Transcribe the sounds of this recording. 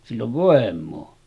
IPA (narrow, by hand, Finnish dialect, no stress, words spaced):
silː oʋ ʋoˑemˑoː